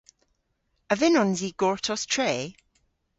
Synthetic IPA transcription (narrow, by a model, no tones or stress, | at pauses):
əvɪnɔnziɡ̥ɔɹtʰɔstʰɹeː